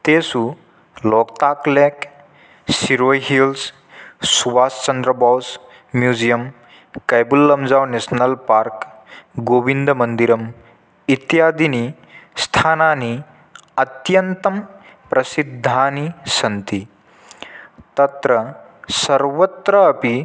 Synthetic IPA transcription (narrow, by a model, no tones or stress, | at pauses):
t̪eːsu | lɔːkt̪aːkleːk | siɾojɦils | suʋaːst͡ʃɐnd̪ɾɐbaws | mjuːd͡ʒijɐm | kɐjbulːɐmd͡ʒaːwnesnɐlpaːɾkɡoːbind̪ʱɐmɐnd̪iɾɐm | it̪jaːd̪ini | st̪ʰaːnaːni | ɐt̪jɐnt̪ɐm | pɾɐsid̪ʱːaːnisɐnt̪i | t̪ɐt̪ɾɐ | sɐɾʋɐt̪ɾɐːpi